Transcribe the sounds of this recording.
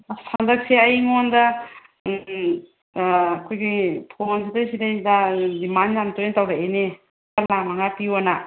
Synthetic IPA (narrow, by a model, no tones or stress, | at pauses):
sʰandɐk̚seajŋonda | kʰojɡipʰonsidasidajdadimanjamtoɾetawɾaene | talamaŋapiwana